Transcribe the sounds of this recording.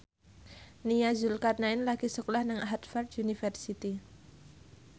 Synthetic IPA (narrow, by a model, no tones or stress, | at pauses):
nijazulkat̪̚naɪnlaɡ̥isəkulahnaŋaɦat̪fard̪unifərsit̪i